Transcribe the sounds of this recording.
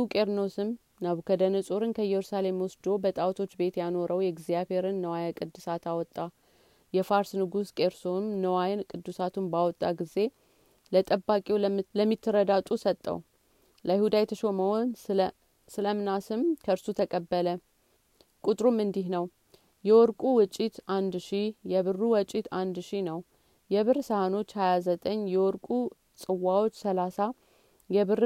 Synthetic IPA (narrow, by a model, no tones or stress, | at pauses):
ukʼeɾnosɨm | naβkʰəd̪ənəsʼoɾɨnkʰəjɛɾusale̞mwɔsd̪o̞bət̪ʼawt̪ʰo̞t͡ʃːbe̞t̪jano̞ɾʔəwjɛɡzijaβhe̞ɾɨnːəwajakʼɨd̪ːɨsat̪awɔt̪ʼːa | jɛfaɾsnɨɡuskʼeɾsonːəwajankʼɨd̪ːusat̪ʰunbawɔt̪ʼːaɡize̞ | lət̪ʼəbːakʼewləmːit̪ʰːɨɾəd̪at̪ʼusət̪ʼːə̰w | ləjɪhud̪ajɛt̪ʰəʃo̞məwon | sɨləmɨnasɨmkʰəɨɾsut̪ʰəkʼəbːələ | kʼut̪ʼɾumɨnd̪ihnəw | jɛwɔɾkʼuwʊt͡ʃʼːit̪ʔand̪ʃijɛβɨrːuwɔt͡ʃʼːit̪ʰand̪ʃinəw | jɛβɨɾsəhano̞t͡ʃːhajazət̪ʼəɲːjɛwɔɾkʼu | sʼɨwːawot͡ʃːsəlasa | jɛβɨɾ